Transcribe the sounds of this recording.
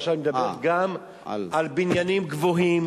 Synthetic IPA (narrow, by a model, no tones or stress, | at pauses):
ʃavmed̪abeʁɡam | albinjanimɡvoɦim